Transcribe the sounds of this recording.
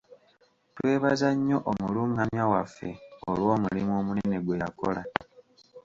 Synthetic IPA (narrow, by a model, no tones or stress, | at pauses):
twe̞ːβazaɲːo̞ʔomuluːŋɡamjawafːe̞̰olwo̞ːmulimwo̞ːmunene̞ɡwe̞ja̰ko̞̰la